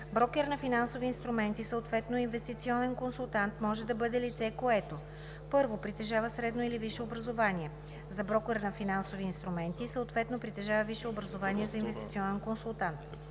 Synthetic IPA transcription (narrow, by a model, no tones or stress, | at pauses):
bɾɔkɛɾnɐfinansoviːnst̪ɾumɛnt̪isəot̪vɛt̪noinvɛst̪it̪siɔnɛnkonsulˠt̪ant̪mɔʒɛd̪ɐbɤd̪ɛlit̪sɛkoɛt̪o | pɤɾvopɾit̪ɛʒavɐsɾɛd̪noiliviʃɛobɾɐzovaniɛ | zɐbɾɔkɛɾnɐfinansoviːnst̪ɾumɛnt̪isəot̪vɛt̪nopɾit̪ɛʒavɐviʃɛobɾɐzovaniɛzɐinvɛst̪it̪siɔnɛnkonsulˠt̪ant̪